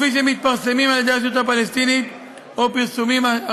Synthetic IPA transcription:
fiʃ̬emit̪̚paʁsemimald̪aʃ̬jut̪apalest̪init̪ | opiʁsumima

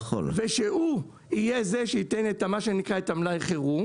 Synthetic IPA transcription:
o̰lveʃeu | ijezeʃeitenetamaʃenikʁaetamlajχeʁu

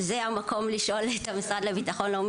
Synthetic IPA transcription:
zeamako̞mliʃo̞let̪amisʁad̪levit̪aχo̞nleom

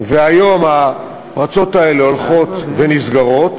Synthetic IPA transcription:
veajo̞ma | pʁat͡so̞t̪ae̞leolχo̞t̪venisɡaʁo̞t̪

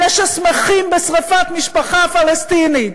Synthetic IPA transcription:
ɛʃasmeχimbesʁafat̪miʃpaχafalest̪ini

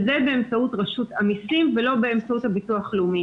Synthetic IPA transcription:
zebeːmt͡sautʁaʃutamisimvelo̞beːmt͡sauthabituaχleumi

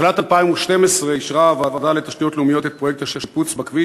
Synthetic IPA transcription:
lat̪alpaimuʃtemesʁeiʃʁavaːvadalet̪aʃtijo̞t̪leumijo̞t̪et̪̚pʁo̞jek̚t̪aʃeput͡sbakvi

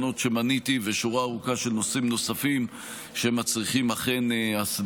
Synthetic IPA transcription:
no̞tʃe̞manitiveʃuʁaːʁukaʃe̞lno̞simno̞safim | ʃeemat͡sʁiχimaχe̞neas

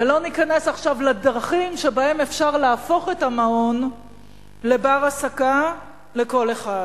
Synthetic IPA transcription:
elo̞nikane̞saχʃavladʁaχimʃe̞bae̞me̞fʃaʁlaːfo̞χe̞tamao̞n | le̞baʁasaka | le̞ko̞le̞χad

